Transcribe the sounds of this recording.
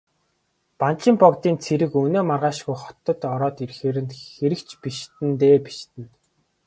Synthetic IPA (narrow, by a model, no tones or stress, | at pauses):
pant͡ɕɪ̆mpɔkt̪iːnt͡sʰeɾɘ̆kɵneːmarʁaːʃɣujχɔ̥t̪ɞ̆t̪ɔɾɔːt̪irxeːɾɘ̆nt̪xeɾɘ̆kt͡ɕʰpiʃt̪ɘ̆nt̪eːpi̥ʃt̪ɘ̆n